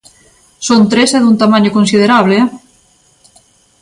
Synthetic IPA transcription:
sont̪ɾesɛðunt̪amaɲokõnsiðeɾaβ̞le

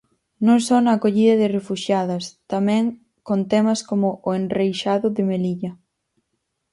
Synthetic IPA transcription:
nõŋsɔnaːkoʎiðɐðɪrefuʃjaðɐst̪amɛ̃ŋ | kont̪ɛmɐskomʊʔːenrejʃaðʊðɪmeliʎɐ

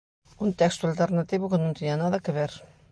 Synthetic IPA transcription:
ũnt̪ɛkst̪ualt̪eɾnat̪iβʊkɪnõñt̪iɲanaðɐkeβeɾ

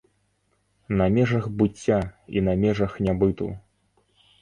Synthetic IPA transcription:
nɐmʲɛʐɐxbɨt͡sʲːaḭnɐmʲɛʐɐxnʲabɨt̪ṵ

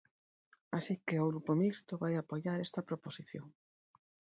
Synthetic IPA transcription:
asikeʊɣɾupomist̪oβajapoʎaɾest̪ɐpɾoposiθjoŋ

